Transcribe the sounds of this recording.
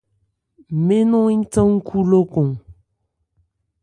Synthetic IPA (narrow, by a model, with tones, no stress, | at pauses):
me˦nɔ̃˦ĩ˦tə̃˦ŋ̩˦kʰu˦lo˦kõ˨